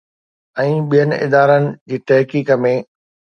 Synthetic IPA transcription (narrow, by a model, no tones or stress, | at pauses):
ɛ̃ːɓijənɪ̆ʔɪ̰d̪aːɾənɪ̆d͡ʑiːt̪ɐɦkiːkə̆mẽː